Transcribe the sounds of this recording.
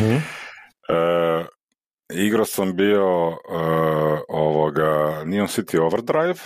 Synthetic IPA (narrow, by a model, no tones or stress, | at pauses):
ə | iɡɾasambio | oʋoɡanionsit̪ʰioʋəɾd̪ɾajv